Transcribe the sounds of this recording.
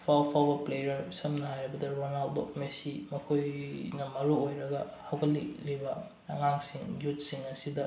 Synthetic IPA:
pʰawpʰawbɐplejɐɾsɐmnɐhajɾɐbɐdɐɾonaldo̰mesimɐkʰojnɐmɐɾuojɾɐɡɐ | hɐwkʰɐlːilibɐ | ɐŋaŋsiŋjut̚siŋɐsidɐ

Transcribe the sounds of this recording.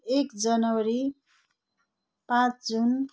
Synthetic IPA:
ekd͡zʌnʌwʌɾi | pãt͡sd͡zun

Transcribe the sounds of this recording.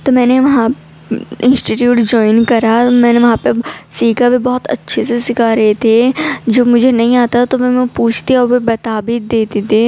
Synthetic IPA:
t̪omɛ̃ːneʋɐɦã | ɪ̃nsʈiʈjuːʈd͡ʒɔːɪnkɐɾamɛ̃ːneʋɐɦãpesiːkabʱibɔːʊt̪ɐ̰tːʃʰesesɪkʰaːɾɐɦet̪ʰed͡ʒoːmʊd͡ʒʱenɐɦĩaːt̪at̪oʋɛmɛ̃puːt͡ʃʰt̪iɔːɾbebɐt̪aːbid̪eːt̪it̪e

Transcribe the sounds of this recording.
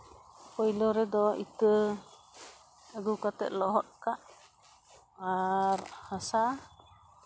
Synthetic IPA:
pɔjlɔɾɛd̪ɔḭt̪ə | aɡukat̪ɛ̰ʔ̪̚lɔɦɔt̪̚kaʔ | aɾhasa

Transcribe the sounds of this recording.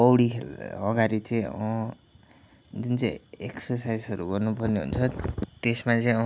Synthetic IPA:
ʌwɽikʰḛlʌɡaɾit͡saĩʌ | d͡zunt͡sãĩeksʌsajsʌɾuɡʌrnupʌrneɦṵnt͡sʰʌt̪esmat͡sʌĩʌ

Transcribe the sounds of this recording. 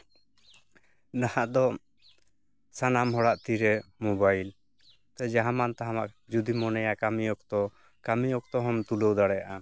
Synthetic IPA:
nahaʔd̪ɔ | sanamɦɔɽaʔt̪iɾɛmubajl | t̪ad͡ʒaɦãmant̪aɦama̰ʔd͡ʒud̪imɔnɛjakamijɔkt̪ɔ | kamiɔk̚t̪ɔɦɔmt̪uləwd̪aɽɛjaʔa

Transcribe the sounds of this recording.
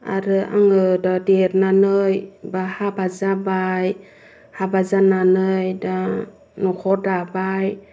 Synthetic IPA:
a̰ɾɯʔa̰ŋɯdɔdeɾnanɯjbahabazabaj | habazananɯjda | nukʰɔdabaj

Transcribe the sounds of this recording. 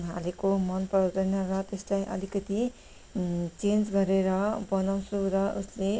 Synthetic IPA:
ɦalekomʌnpʌd̪ʌnʌɾʌt̪eslajʔʌ̰likʌt̪i | t͡send͡zɡʌɾeɾʌbʌnaw̃suɾʌʔusle

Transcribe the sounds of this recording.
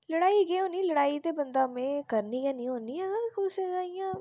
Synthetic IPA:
ləɽaːiːɡeːɦõːniːləɽaːit̪eːbənd̪aːmẽːkəɾniːjãːnĩːɦoːniːɛːɡakosezaːijãː

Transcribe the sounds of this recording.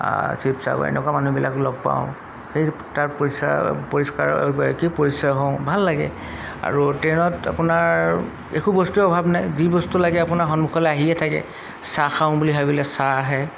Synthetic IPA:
sipsa̰bɔ̰ɛ̰nɛkwamanubila̰klɔɡ̚pa̰ʊ̃ | xej | taɹpoisa̰poɹiska̰ɹkipoɹisɔjɦɔ̃ʊ̃bʱalːaɡɛ̰ | a̰ɹutenɔta̰pʊnaɹ | ḛkʰubɔstuɔbʱabnajzibɔstulaɡɛapʊnaɹxɔnmukʰɔlɛaɦiɛtʰakɛ̰ | saxaʊ̃buliɦajbɔlɛsaɦɛ

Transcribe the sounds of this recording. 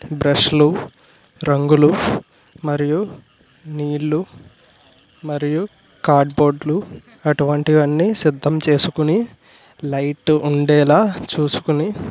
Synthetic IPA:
bɾɐʂlu | ɾɐŋɡulu | mɐɾiju | niːɭːu | mɐɾiju | kaːɾɖbo̞ːɖlu | ɐʈuʋɐɳʈiʋɐnːisid̪ʱːɐmt͡ʃe̞ːsukuni | lɐjʈːuɳɖɛːlaːt͡ʃuːsu̥kuni

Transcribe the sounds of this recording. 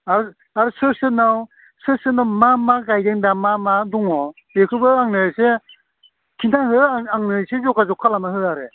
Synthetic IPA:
aɾɯ | aɾɯsɯsɯnaw | sɯsɯnawmamaɡajdɯŋdamamaduŋɔ | bekʰɯbɯaŋnɯse | kʰintʰaɦɯaaŋnɯsezɔɡazɔkʰalamaɦɯaɾe

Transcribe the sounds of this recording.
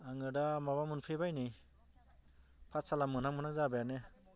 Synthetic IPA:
aŋɯdamaβamunpʰɯbajni | pʰatsalamɯnhaŋmɯnak̚zabajane

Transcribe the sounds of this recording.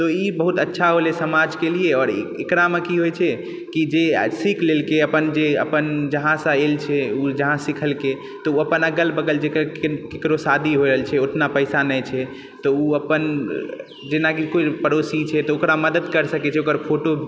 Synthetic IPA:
t̪ɔibəɦut̪ətːʃʰaɦolesəmad͡ʒkelieɔːɾekɾamekiɦojt͡ʃʰɛ | kid͡ʒesikʰlelkeəpənd͡ʒeə̰pənd͡ʒəɦãsə̃elt͡ʃʰɛud͡ʒəɦãsikʰəlke | t̪ɔuəpənəɡəlbəɡəld͡ʒekəɾkekɾosad̪ʱiɦoɾəɦlt͡ʃʰɛoʈʰnapəɪsanɛt͡ʃʰɛ | t̪ɔuəpən | d͡ʒenakikopəɾosit͡ʃʰɛt̪ɔokɾaməd̪əd̪kəɾsəkɛt͡ʃʰɛokəɾpʰoʈo

